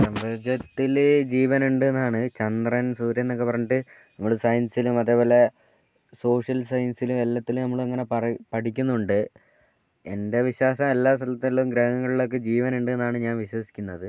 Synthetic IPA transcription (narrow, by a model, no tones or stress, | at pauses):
sɐmbɐd͡ʑɐt̪ːild͡ʑiːʋɐnuɳɖuenːaːɳɨt͡ɕɐnd̪rɐnsuːɾjɐenːo̞kːepɐrɐɲːuʈːɨ | nɐmːɐɭsɐjɐnsilumɐðe̞ːpo̞ːle̞ | so̞ːʂɐlsɐjɐnsilumelːɐt̪ːilunɐmːɐɭɐŋːɐne̞pɐrpɐʈʰikʲːunːuɳɖɨ | e̞nde̞ʋiɕwaːsɐmelːaːst̪ʰɐlɐt̪ːilumɡɾɐɦŋɐŋːɐɭiɭo̞k̬ːe̞d͡ʑiːʋɐnuɳɖuenːaːɳɨɲaːnʋiɕwɐsi̥kʲːunːɐðɨ